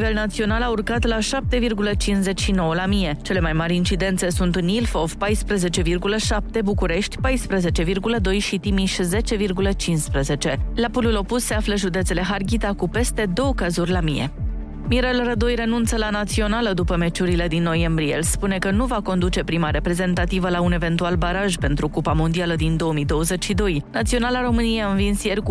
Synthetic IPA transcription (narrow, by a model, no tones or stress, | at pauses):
ve̞lnat̪sio̞nalaurkat̪laʃap̚t̪e̞virɡulət͡ʃinze̞t͡ʃʲʃino̞wəlamije̞t͡ʃe̞le̞majmaɾʲint͡ʃid̪e̞nt̪se̞sunt̪ɨnilfo̞vpajspɾəze̞t͡ʃe̞virɡuləʃap̚t̪e̞bukuɾe̞ʃt̪ʲpajspɾəze̞t͡ʃe̞virɡuləd̪o̞jʃit̪imiʃze̞t͡ʃe̞virɡulət͡ʃinspɾəze̞t͡ʃe̞lapululo̞pussːe̞afləʒud̪e̞t̪se̞le̞ɦarɡʲit̪akupe̞st̪e̞d̪o̞wəkazurʲlamijḛ | miɾelrəd̪o̞jre̞nunt̪səlanat̪sio̞naləd̪upəme̞t͡ʃuɾile̞d̪inːo̞je̞mbɾiḛlspune̞kənuvako̞nd̪ut͡ʃe̞pɾimaɾe̞pɾe̞ze̞nt̪at̪ivəlaune̞ve̞nt̪ualbaɾaʒpe̞nt̪ɾukupamo̞nd̪ialəd̪ind̪o̞əmid̪o̞wəze̞t͡ʃʲʃid̪o̞jnat̪sio̞nalaɾo̞mɨnieaɨnvinsjerk